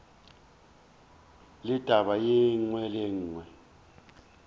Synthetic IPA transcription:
lid̥ʱaɓajiŋ͡ǀwɛleŋ̩ːŋwɛ

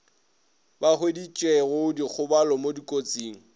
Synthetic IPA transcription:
baχwedit͡ʃʼweɣʊdik͡xʰʊbalɔmodikʼot͡sʼiːŋ̩

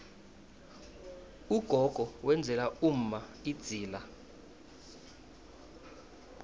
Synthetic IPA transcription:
uɡ̥ʱɔɡ̥ʱɔwɛnd͡zʱɛlaum̩maid̥z̥ʱiːla

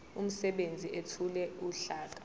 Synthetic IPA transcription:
um̩sɛɓend͡zʱiʔetʰulɛuɬaːk̬ḁ

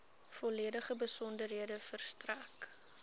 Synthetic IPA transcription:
fɔliədəχəbəsɔndərɦiədəfərstræk

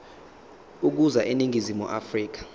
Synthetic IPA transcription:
uk̬uzaʔeniŋizimṵʔafriːk̬ḁ

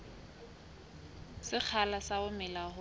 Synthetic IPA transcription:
sɪk͡xʰalasaʊmɪlaɦʊ

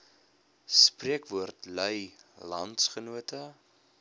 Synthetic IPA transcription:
spriəkvuərtlœjlɐntsχənuətə

